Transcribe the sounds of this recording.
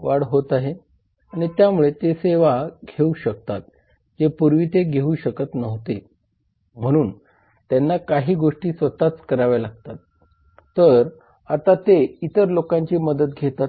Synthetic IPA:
ʋaɽɦot̪aɦe | aɽ̃it̪jamuɭet̪eseʋaɡʱeuɕək̚t̪at̪̚ | d͡zepuɾʋit̪eɡʱeuɕəkət̪nəʋt̪e | m̤əɽ̃uːn | t̪janːakaɦiːɡoʂʈiːsʋət̪at͡skəɾaʋalaɡ̚t̪at̪ː | əɾ | at̪at̪eit̪əɾlokãɲt͡ɕiːməd̪ət̪̚ɡʱet̪a

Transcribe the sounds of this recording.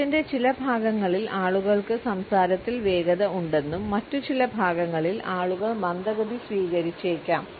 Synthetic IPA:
inde̞t͡ɕilɐbʱaːɡɐŋːɐɭilaːɭuɣɐɭkɨsɐmsaːɾɐt̪ːilʋe̞ːɡɐðɐuɳɖe̞nːumːɐtːut͡ɕilɐbʱaːɡɐŋːɐɭilaːɭuɣɐɭmɐnd̪ɐɣɐd̪isʋiːɣɐɾit͡ɕːe̞ːkʲːaːm

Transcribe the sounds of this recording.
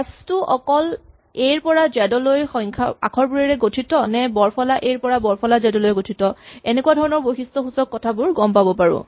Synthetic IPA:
astʊɔkɔl | ejɹpɔɹazɛdɔlojxɔjŋkʰa̰a̰kʰɔɹbuɹɛɹɛɡotʰitɔnɛbɔɹpʰɔlaʔejɹpɔɹabɔɹpʰɔlazɛdɔlojɡotʰitɔenekuadʱɔɹɔnɔɹbojxistɔxusɔkːɔtʰabʊɹɡɔmpabɔpaɹʊ̰̃

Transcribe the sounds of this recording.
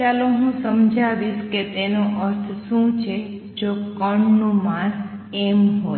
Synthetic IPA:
t͡ʃaloɦũsəmd͡ʒʱaʋiʃket̪enõʔəɾt̪ʰʃũt͡ʃʰe | d͡ʒokəɳnũmãɾemɦo

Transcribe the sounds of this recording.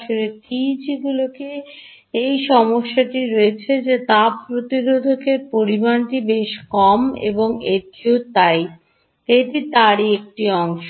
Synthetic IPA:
oɾetid͡ʑiɡuloke | ejʃɔmoʃːaʈiɾoet͡ɕʰed͡ʑet̪apɾot̪iɾod̪ʱokeɾpoɾibanʈibeʃkɔmḛboŋet̪iot̪aj | t̪eʈit̪aɾiek̚ʈiɔŋʃo

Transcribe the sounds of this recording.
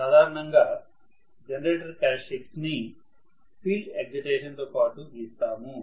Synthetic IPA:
saːd̪ʱaːɾɐɳɐŋɡaː | d͡ʒenɐɾeːʈɐɾkaːʃiksni | pʰiːlɖeɡ̚d͡ʒiʈeːʃɐnt̪oːpaːʈuist̪aːmu

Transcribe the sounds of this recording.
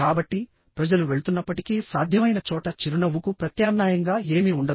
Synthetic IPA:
kaːbɐʈːi | pɾɐd͡ʒɐluʋe̞ɭut̪unːɐpːɐʈikiːsaːd̪ʱjɐmɐjnɐt͡ʃɔːʈɐt͡ʃiɾuɳɐʋukupɾɐt̪jaːmnaːjɐŋɡaːe̞ːmiuɳɖɐ

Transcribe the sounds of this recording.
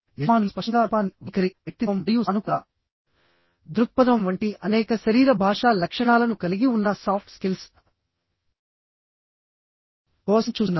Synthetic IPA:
ɐmaːnulspɐʂɐɡ̪aːpaːnʋikɐɾiʋjɐk̚t̪iɐmijunuka | d̪ɾuk̚pɐd̪ɐmʋɐɳʈiʔɐnɛːkɐʃɐɾiːɾɐbʱaːʂaːlɐkʂɐɳaːlɐnukɐliɡiunːɐsaːp̚ʰʈskils | pɔːst͡ʃuːunː

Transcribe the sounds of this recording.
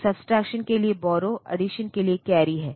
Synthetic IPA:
sɐbsʈɾɛːkʃənkeliebɔːɾoʔɐ̰ɖiʃənkeliekɛːɾiɦɛː

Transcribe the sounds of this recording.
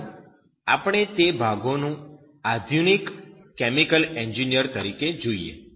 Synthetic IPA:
a̰pəɽ̃et̪ebʱaɡonũ | ad̪ʱjunikːɛmikəlɛɲd͡ʒinijəɾt̪əɾiked͡ʒoiḛ

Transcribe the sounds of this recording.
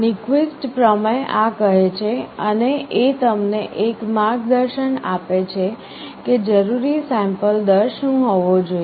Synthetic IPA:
nikʋisʈpɾəmeʔakəɦet͡ʃʰeəneʔet̪əmneʔekmaɡd̪əɾʃənapet͡ʃʰe | ked͡ʒəɾuɾisɛ̃mpəld̪əɾʃũɦoʋõd͡ʒoi

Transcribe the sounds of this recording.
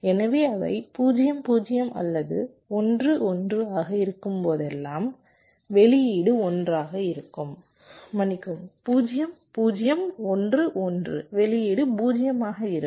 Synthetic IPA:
ɛnɐʋeːɐʋɐ̰ɪpuːd͡ʒɪjɐmpuːd͡ʒɪjɐmʔɐ̰lːɐðɯ̰ | ɔndrɯʔɔndrɯaːɣɐɪɾɯkːɯmpoːðɛlːaːm | ʋɛɭɪjiːɽɯɔndraːɣɐɪɾɯkːɯmː | ɐnɪkːɯmpuːd͡ʒɪjɐmpuːd͡ʒɪjɐmɔndrɯʔɔndrɯ̰ʋɛɭɪjiːɽɯpuːd͡ʒɪjɐmaːɣɐɪɾɯ

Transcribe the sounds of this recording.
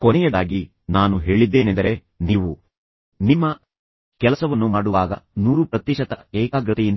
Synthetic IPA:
kɔnɛjɐd̪aːɡi | naːnuɦe̞ːɭid̪ːe̞ːnend̪ɐɾe̞ | niːʋu | nimːɐ | kɛlɐsɐʋɐnːumaːɽuʋaːɡɐ̰nuːɾupɾɐt̪jiʃɐt̪ɐeːkaːɡɾɐt̪ijin

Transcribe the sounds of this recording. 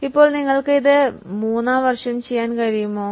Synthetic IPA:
ipːo̞ːɭniŋːɐɭkɨiðɨmuːnːaːʋɐrʂɐmt͡ɕejːaːnkɐɻijumːoː

